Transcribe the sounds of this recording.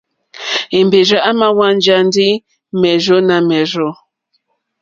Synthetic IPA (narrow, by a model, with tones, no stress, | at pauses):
i˨m˨be˨d͡ʒa˨˦ʔa˦ma˦wa˦n˦d͡ʒa˦n˦di˦ | mɛ˨zo˦na˨mɛ˨zo˦